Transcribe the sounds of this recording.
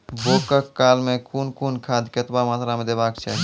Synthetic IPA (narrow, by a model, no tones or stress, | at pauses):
boːkəkːaːlmẽkʰuːnkʰuːnkʰaːd̪ket̪bamaːt̪ɾamẽd̪ebaːkt͡ʃʰa̰ːɦi